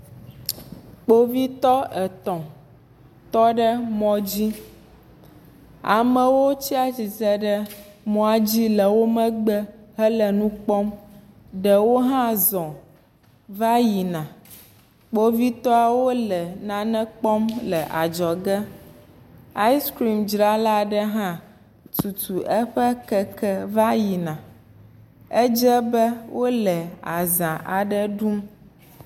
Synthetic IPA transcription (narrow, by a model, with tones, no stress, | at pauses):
k͡po˦vi˦t̪ɔ˦ə˨t̪ɔ̃˨ | t̪ɔ˦ɖə˦mɔ̃˨d͡ʑi˦ | a˨mə̃˨wo˦t͡ɕi˦a˦d͡ʑi˨zə˦ɖə˦mɔ̃˦a˨d͡ʑi˦lə˨wo˦mə̃˦ɡ͡bə˦ɦə˦lə˨nũ˦k͡pɔ˦m | ɖə˨wo˦ɦã˦zɔ̃˨ | va˦ji˨nã˨ | k͡po˦vi˦t̪ɔ˦a˨wo˦lɛ˨nã˨nɛ̃˦k͡pɔ˦mlə˨ʔa˨d͡ʒɔ˨ɡə˦ | a˦i˦skɾi˨md͡ʒɾa˦la˦ɖə˦ɦã˦ | tu˨t̪u˨ʔɛ˦ɸə˦kɛ˦kɛ˦va˦ji˨nã˨ | ɛ˦d͡ʒɛ˦bə˦wo˦lɛ˨a˨zã˨ʔa˨ɖə˦ɖu˦m